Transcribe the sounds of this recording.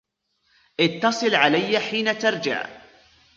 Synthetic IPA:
ʔɪt̪ːɑsˤɨlʕalajːaħiːnat̪ɑɾˤd͡ʒa̰ʕ

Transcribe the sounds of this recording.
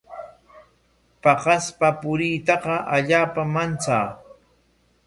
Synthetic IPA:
pɑqɑspapʊɾijt̪ɑqɑʔaʎaːpamant͡saː

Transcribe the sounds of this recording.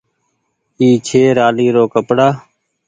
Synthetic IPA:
iːt͡ʃʰeːɾaːliːɾoːkəpɽaː

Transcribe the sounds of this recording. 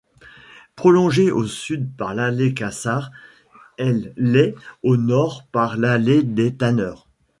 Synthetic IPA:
pχɔlɔ̃ʒeʔosyd̪̚paʁlalekasaʁ | ɛlɛonɔʁpaʁlaled̪et̪anœːʁ

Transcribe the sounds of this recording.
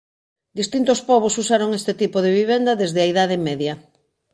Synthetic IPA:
d̪ist̪int̪ospɔβ̞osusaɾoŋest̪et̪ipoðeβiβɛnd̪ɐðezðɪɐiðað̞ɪmɛðjɐ

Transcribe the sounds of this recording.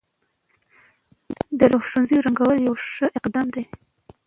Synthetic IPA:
d̪əɾoxʃʈunzijoɾaŋɡawəljawʃəʔɪqd̪ɑmd̪e

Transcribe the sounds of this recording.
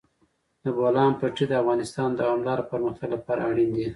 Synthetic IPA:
d̪əbolɑnpaʈid̪əafɣɑnɪst̪ɑnd̪awɑmlɑɾopəɾməxt̪aɡlapɑɾaaɽind̪i

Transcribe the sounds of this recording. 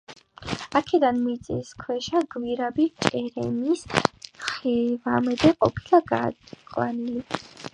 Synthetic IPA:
akʰɛd̪anmit̪sʼḭskʰwɛʃaɡwiɾabit͡ʃʼɛɾɛ̰misχɛvamɛd̪ɛqʼɔ̰pʰilaɡa̰qʼwa̰nili

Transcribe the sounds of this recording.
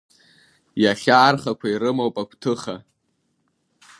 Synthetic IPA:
jaχʲaːrχakʷʰaiɾɨmowpʼakʷʰtʰɨχa

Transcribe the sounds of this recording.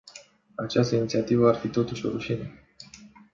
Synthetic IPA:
at͡ʃast̪əinit̪siat̪ivəarfit̪o̞t̪uʃʲo̞̰ɾuʃinə

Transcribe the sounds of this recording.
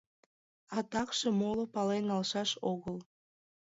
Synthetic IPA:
ɑt̪ɑkʃĕmolopɑlenɑlʃɑʃoɣəl

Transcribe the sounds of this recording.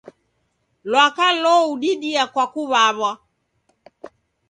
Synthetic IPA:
lwakalɔuɗiɗiakwakuβaβwa

